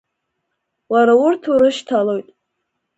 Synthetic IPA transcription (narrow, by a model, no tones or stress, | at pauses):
waɾaʊrtʰuɾɨʃtʰalo̞jtʼ